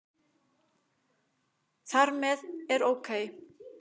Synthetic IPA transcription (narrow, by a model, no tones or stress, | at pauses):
θaɾmɛðɛɾoːwkʰeːj